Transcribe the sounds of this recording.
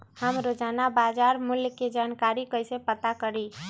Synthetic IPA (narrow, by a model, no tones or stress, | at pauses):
həmɾod͡ʒaːnabad͡ʒaːɾmʊljked͡ʒaːnkaɾikəɪsepət̪akəɾi